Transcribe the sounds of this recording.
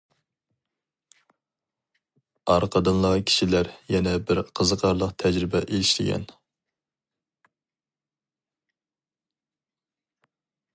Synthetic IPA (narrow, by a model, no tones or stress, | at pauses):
ɑɾqʰəd̪ɨnlˠɑkʲʰi̥ʃilæɾjɛnɛbɪɾqʰəzəqʰɑɾlˠəqt̪ʰɛd͡ʒɾɪbɛʔelɪʃlɪ̰ɡʲɛ̰n